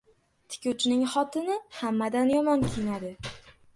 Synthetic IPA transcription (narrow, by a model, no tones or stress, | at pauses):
t̪ʰɪ̥kʲʰʊt͡ʃʰnɪŋχɒt̪ʰɪnɪhamːad̪anjɒmɒnkʲʰeinad̪ɪ